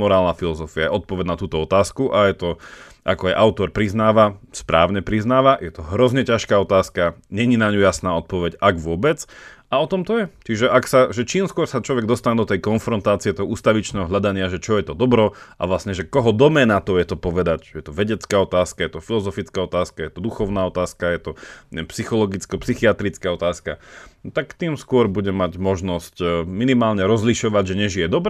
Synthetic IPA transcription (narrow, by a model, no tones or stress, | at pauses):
mɔɾaːlnafilɔzɔfiajɛɔt̪̚pɔʋɛɟnat̪uːt̪ɔɔt̪aːskuʔajɛt̪ɔ | ʔa̰kɔajʔaʊt̪ɔɾpɾiznaːʋaspɾa̰ːʊɲɛpɾiznaːʋajɛt̪ɔɦɾɔzɲɛcaʃkaːɔt̪aːskaɲɛɲinaɲujasnaːɔt̪̚pɔʋɛɟaɡʋʊɔbɛt͡saɔt̪ɔmt̪ɔjɛt͡ʃiʒɛʔaksaʒɛt͡ʃiːmskʊɔɾsat͡ʃlɔʋɛɡd̪ɔst̪aɲɛd̪ɔt̪ɛjkɔnfɾɔnt̪aːt͡siɛt̪ɔɦɔuːst̪aʋit͡ʃnɛːɦɔɦʎad̪aɲɪaʒɛt͡ʃɔjɛt̪ɔd̪ɔbɾɔʔa̰ʋlasɲɛʒɛkɔɦɔd̪ɔmɛnat̪ɔjɛt̪ɔpɔʋɛd̪acjɛt̪ɔʋɛɟɛt͡skaɔt̪aːskajɛt̪ɔfilɔzɔfit͡skaɔt̪aːskajɛt̪ɔd̪uxɔʊnaɔt̪aːskajɛt̪ɔɛpsixɔlɔɡit͡skɔpsixiat̪ɾit͡skaɔt̪aːska̰t̪akt̪iːmskʊɔɾbuɟɛmaɟmɔʒnɔscminimaːlɲɛɾɔzliʃɔʋaɟʒɛɲɛʒijɛd̪ɔbɾ